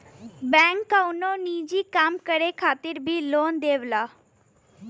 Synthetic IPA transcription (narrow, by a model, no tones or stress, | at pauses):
bɛ̃ːŋkːaunõːniːd͡ʒiːkamkəɽeːkʰaːt̪ɪɾbʱiːloːnd̪eːʋlaː